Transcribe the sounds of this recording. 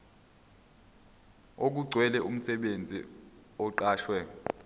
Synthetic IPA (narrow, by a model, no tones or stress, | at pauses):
ok̬uɡ͡ǀʱwɛlɛʔum̩sɛɓend͡zʱḭ | ɔǃaːʃwɛ